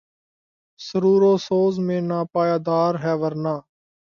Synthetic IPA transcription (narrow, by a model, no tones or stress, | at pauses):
səɾuːɾoːsoːzmẽːnaːpaːjaːd̪aːɾɦɛːʋəɾnaː